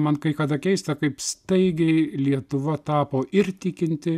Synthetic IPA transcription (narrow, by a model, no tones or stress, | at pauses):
mɐnkɐɪkɐd̪ɐkʲɛɪst̪ɐkɐɪpst̪ɐɪɡʲɛɪlʲiɛt̪ʊʋɐt̪ɑːpoːʔɪrt̪ʲɪkʲɪnʲt̪ʲɪ